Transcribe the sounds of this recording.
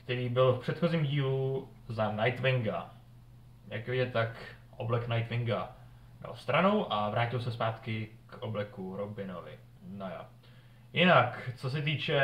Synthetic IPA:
kt̪ɛɾiːbɪlfpr̝̥ɛt̪xo̞ziːmɟiːlu | zanajt̪vɪŋɡa | ja̰kɛjɛt̪ak | ʔoblɛknajt̪vɪŋɡa | da̰st̪ɾano̞wʔavɾaːcɪlsɛspaːt̪kɪkʔoblɛkuɾobɪnovɪ̰ | noja̰ | jɪnakt͡sos̬ɛt̪̬iːt͡ʃɛ

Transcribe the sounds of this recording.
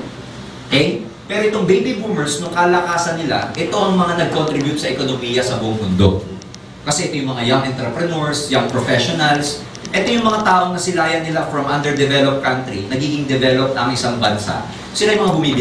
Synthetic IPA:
kɛj | pɛːɾoʔɪt̪oŋbejbibumɛɹsnoŋkɐlɐkaːsɐnːɪla̰ʔɛt̪o̞ʔɐŋmɐŋanɐɡ̚kont̪ɾibjʊt̪̚sɐʔɛkonomiːjɐsɐbʊʔoŋmʊnd̪o̞̰ | kɐsɛʔɛt̪o̞jʊŋmɐŋajaŋʔɛnt̪ɾɛpɾɛnoɹsjaŋpɾofɛʃonɐls | ʔɛt̪o̞jʊŋmɐŋat̪aːʔo̞ŋnɐsɪlaːjɐnːɪlafɾɐmʔand̪ɛɹd̪ɛvɛlop̚kant̪ɾinɐɡiːɡɪŋd̪ɛvɛlop̚t̪ɐŋʔɪsaŋbɐnsa̰ʔ | sɪlajʊmɐŋabʊmiːbɪ

